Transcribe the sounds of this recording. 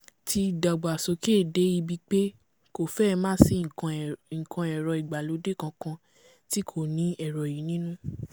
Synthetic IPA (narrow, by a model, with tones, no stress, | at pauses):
ti˧da˨ɡ͡ba˨so˧ke˦˨de˨˦i˧bi˦k͡pe˦ | ko˨fɛ˦˧mãː˦si˧˦˨ŋ̩̃˨kã˧ɛ˨ɾɔ˨i˨ɡ͡ba˨lo˨˦de˦˨kã˧kã˧ | ti˦kʰo˦˨nĩ˦ɛ˦˨ɾɔ˨ji˨˦nĩ˦nũ˦